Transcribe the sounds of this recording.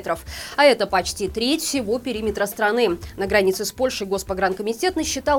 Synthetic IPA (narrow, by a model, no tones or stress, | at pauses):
t̪ɾəfɐɛt̪əpɐt͡ɕtʲit̪ɾʲetʲfsʲɪvo̞pʲɪɾʲimʲɪt̪ɾəst̪ɾɐnɨnəɡɾɐnʲit̪sɨspo̞lʲʂɨjɡo̞spɐɡɾankəmʲɪtʲe̞t̪nəɕːɪt̪al